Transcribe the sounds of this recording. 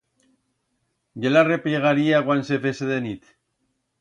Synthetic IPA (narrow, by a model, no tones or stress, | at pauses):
ɟelarepjeɣaɾiaɣwansefeseðenit̪